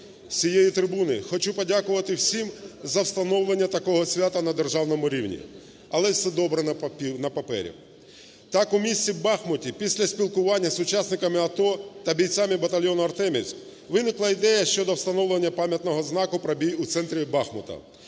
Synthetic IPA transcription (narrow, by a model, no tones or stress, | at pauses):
sʲijejit̪ɾɪbunɪxɔt͡ʃupɔdʲakʊʋɐt̪ɪwsʲimzɐwst̪ɐnɔwlˠenʲːɐt̪ɐkɔɦɔsʲʋʲat̪ɐnɐd̪erʒɑwnɔmʊɾʲiwnʲḭ | ɐlˠɛsɛd̪ɔbɾɛnɐpɐpɛ̰ɾʲḭ | t̪ɑkʊmʲisʲt͡sʲibɑxmɔtʲipʲisʲlʲɐsʲpʲilˠkʊʋɑnʲːɐsʊt͡ʃɑsʲnɪkɐmɪɐt̪ɔt̪ɐbʲijt̪t͡sʲamɪbɐt̪ɐlʲjɔnʊɐrt̪ɛmʲḭsʲ | ʋɪnɪklˠɐid̪ɛjɐʃt͡ʃɔd̪ɔwst̪ɐnɔwlˠenʲːɐpɑmʲjɐt̪nɔɦɔznɑkʊpɾɐbʲijut̪sɛnt̪ɾʲibɑxmɔ̰t̪ɐ̰